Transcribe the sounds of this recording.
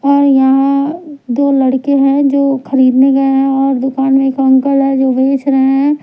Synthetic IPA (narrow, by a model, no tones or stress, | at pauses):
ɔːɾjɐɦãd̪oːlɐɽkeɦɛ̃d͡ʒoːxɐɾiːd̪neɡɐeɦɛ̃ɔːɾd̪ʊkaːnmẽkɐ̃ŋkəlɦɛd͡ʒoːʋeːt͡ʃɾɐɦeɦɛ̃ː